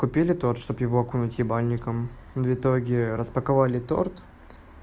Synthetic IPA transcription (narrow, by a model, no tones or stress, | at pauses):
kʊpʲilʲɪt̪o̞rt̪ʂt̪o̞pjɪvoɐkunʊtʲɪbalʲnʲɪkəm | vʲɪt̪o̞ɡʲɪɾəspəkɐvalʲɪt̪o̞̰rt̪